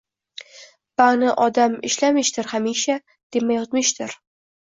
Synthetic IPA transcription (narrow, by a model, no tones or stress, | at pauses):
b̥anɪʔɒd̪amɪ̰ʃlamɪʃt̪ɪɾhamiʃa | d̪̥e̞majɒt̪mɪʃt̪ʰɪɾ